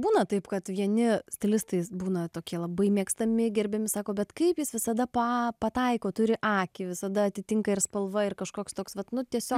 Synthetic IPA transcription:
buːnɐt̪ɐɪpkɐt̪ʋʲiɛnʲɪsʲt̪ʲɪlʲɪst̪ɐɪbuːnɐt̪oːkʲiɛlˠɐbɐɪmʲiːkst̪ɐmʲɪɡʲɛɾʲbʲɛmʲɪsɑːkoːbʲɛt̪kɐɪpjɪsʋʲɪsɐd̪ɐpɐpɐt̪ɐɪkoːt̪ʊɾʲɪʔɑːkʲɪʋʲɪsɐd̪ɐɐt̪ʲɪt̪ʲɪŋkɐɪrspɐlˠʋɐɪrkɐʃkoːkst̪oːksʋɐt̪nʊt̪ʲiɛsʲoː

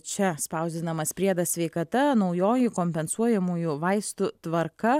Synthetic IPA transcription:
t͡ʃʲɛspɐʊzʲd̪ʲɪnɐmɐspʲɾʲiɛd̪ɐssʲʋʲɛɪkɐt̪ɐnɒʊjoːjɪkoːmʲpʲɛnsuɔjɛmuːjuʋɐɪst̪ʊt̪ʋɐɾkɐ

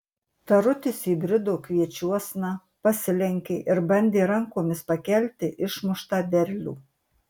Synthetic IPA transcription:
t̪ɐɾʊt̪ʲɪsiːbʲɾʲɪd̪oːkʋʲiɛt͡ʃʲuɔsʲnɑ | pɐsʲɪlʲɛŋʲkʲeːʔɪɾbɐnʲd̪ʲeːɾɐŋkoːmʲɪspɐkʲɛlʲt̪ʲɪʔɪʃmʊʃt̪ɑːbʲɛɾʲlʲṵː

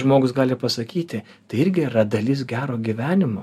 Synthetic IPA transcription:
ʒmoːɡʊsɡɑːlʲɪpɐsɐkʲiːt̪ʲɪ | t̪ɐɪɪɾʲɡʲɪrɐd̪ɐlʲɪs̬ɡʲæːɾoːɡʲiʋʲæːnʲɪmoː

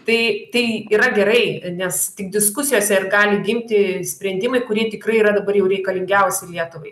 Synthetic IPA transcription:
t̪ɐɪt̪ɐɪiːɾɐɡʲɛɾɐɪnʲɛst̪ʲɪkd̪ʲɪskʊsʲɪjoːsʲɛɪrɡɑːlʲɪɡʲɪmʲt̪ʲɪsʲpʲɾʲɛnʲd̪ʲɪmɐɪkʊɾʲiɛt̪ʲɪkrɐɪiːɾɐd̪ɐbɐrjɛʊɾʲɛɪkɐlʲɪŋʲɡʲɛʊsʲɪlʲiɛt̪ʊʋɐɪ

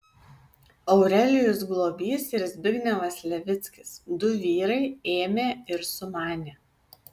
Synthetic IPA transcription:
ɐʊɾʲɛlʲɪjʊs̬ɡlˠoːbʲiːsɪɾʲzʲbʲɪɡʲnʲɛʋɐslʲɛʋʲɪt̪sʲkʲɪsd̪ʊʋʲiːɾɐɪeːmʲeːɪɾsʊmɑːnʲeː

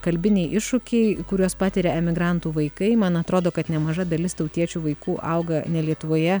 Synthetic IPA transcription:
kɐlʲbʲɪnʲɛɪʔɪʃʊkʲɛɪkʊɾʲoːspɑːt̪ʲɪɾʲɛɛmʲɪɡɾɐnt̪uːʋɐɪkɐɪmɐnɐt̪ɾoːd̪oːkɐt̪nʲɛmɐʒɐd̪ɐlʲɪst̪ɐʊt̪ʲiɛt͡ʃʲuːʋɐɪkuːʔɐʊɡɐnʲɛlʲiɛt̪ʊʋoːjɛ

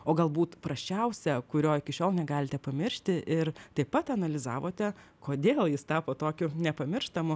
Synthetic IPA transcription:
oːɡɐlˠbuːt̪pɾɐʃʲt͡ʃʲɛʊsʲɛkʊɾʲoːɪkʲɪʃʲoːlˠnʲɛɡɑːlʲɪt̪ʲɛpɐmʲɪɾʲʃʲt̪ʲɪʔɪɾt̪ɐɪpɐt̪ɐnɐlʲɪzɑ̰ːʋoːt̪ʲɛ | koːd̪ʲeːlˠjɪst̪ɑːpoːt̪oːkʲʊnʲɛpɐmʲɪrʃt̪ɐmʊ

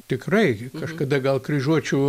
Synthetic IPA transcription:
t̪ʲɪkrɐɪkɐʃkɐd̪ɐɡɐlˠkrʲiʒuɔt͡ʃʲɛʊ

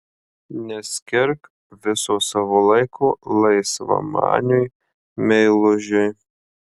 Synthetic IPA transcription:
nʲɛsʲkʲɪɾk | ʋʲɪsoːsɑʋolˠɐɪkʰoːlˠɐɪsʋɐ̰mɑ̰ːnʲʊj | mʲɛɪlˠʊʒʲʊj

